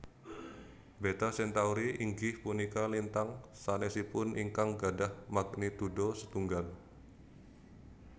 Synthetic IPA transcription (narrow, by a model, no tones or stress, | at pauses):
bet̪asɛnt̪auɾiʔiŋɡɪhpunikalint̪aŋsanesipʊniŋkaŋɡadahmak̚nit̪udosət̪uŋɡal